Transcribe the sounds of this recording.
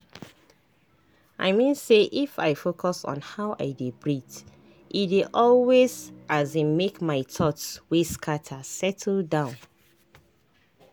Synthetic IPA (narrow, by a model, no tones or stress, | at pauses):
ʔa̰ɪmĩnseʔifa̰ɪfokʰɔsɔ̰̃nhaʊʔa̰ɪdebɹit | ʔideʔɔlwezazẽmekmaɪtʰɔtsweskʰatʰasɛtʰl̩dãʊ̃n